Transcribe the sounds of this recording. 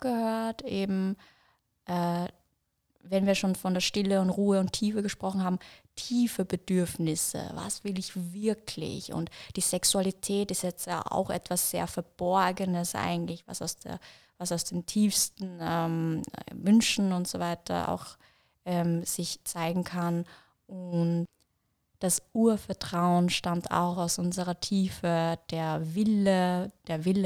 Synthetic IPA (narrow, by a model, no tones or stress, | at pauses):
ɡ̥əhøːɐtʔeːbm̩ | ʔɛː | vɛnviːɐʃoːnfɔndeːɐʃtɪləʊntʁuːəʊntʰiːfəɡəʃpʁ̥ɔχn̩haːbm̩tʰiːfəbədʏɐfnɪsə̰va̰sv̥ɪlɪçvɪɐkʰlɪ̰çʊ̰ntd̥iːz̥ɛksualitʰɛːtɪstjɛt͡stja̰ːʔa̰ʊxʔɛ̰tv̥asz̥ḛːɐfɛɐb̥ɔɐɡənəsʔa̰ɪɡŋ̩tlɪçv̥a̰sa̰ʊsd̥ḛːɐ | vasaʊsd̥eːmtʰiːfstn̩ɛmvʏnʃn̩ʊntz̥ovaɪtʰɐ̰a̰ʊx | ʔɛːmz̥ɪçt͡saɪɡŋ̩kʰan | ʔʊnt | d̥asʔuːɐfɛɐtʁ̥aʊənʃtamtʰa̰ʊxaʊsʔʊnzəʁɐtʰiːfəd̥eːɐvɪləd̥eːɐvɪlə